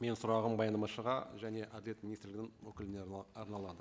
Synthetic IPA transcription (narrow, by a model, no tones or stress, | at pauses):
me̞nsʊɾɑʁəmbɑjɑnd̪ɑmɑʃəʁɑ̰ʒæne̞ʔæd̪ɪlʲe̞t̪minist̪ɪɾlɪɡʲɪnɪŋwɵkʲɪlɪneɑɾnɑlˠɑd̪ə